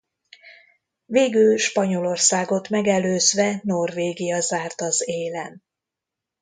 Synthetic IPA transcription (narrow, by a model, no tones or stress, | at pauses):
veːɡylʃpɒɲo̞lo̞rsaːɡo̞t̪mɛɡɛløːzʋɛno̞rveːɡijɒzaːrt̪ɒzeːlɛn